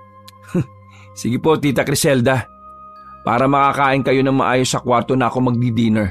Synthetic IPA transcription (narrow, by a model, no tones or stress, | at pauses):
sɪɡɪpo̞t̪iːt̪ɐkɾɪsɛld̪ɐ | pa̰ːɾɐmɐkakaːʔɪnkɐjo̞nɐŋmɐ̰ʔaːjo̞sːɐkwaɾt̪o̞nɐʔɐko̞mɐɡ̚d̪id̪iːnɛɹ